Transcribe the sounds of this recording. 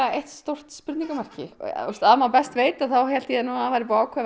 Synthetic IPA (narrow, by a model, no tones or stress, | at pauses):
eht̪st̪owr̥tt̪spʏɾt̪niŋkʏmar̥cɪ̰ɔst̪aðmapɛst̪veːjt̪aθawhɛl̥t̪jɛnunavaːɾɪpɔaːwkʰvɛ